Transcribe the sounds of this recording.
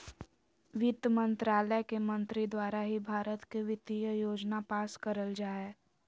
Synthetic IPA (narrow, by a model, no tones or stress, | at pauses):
ʋɪt̪əmə̃nt̪ɾaːləkemə̃nt̪ɾid̪waːɾaɦibʱaːɾət̪keʋɪt̪ijəjoːd͡ʒnapaːskəɾəld͡ʒaːe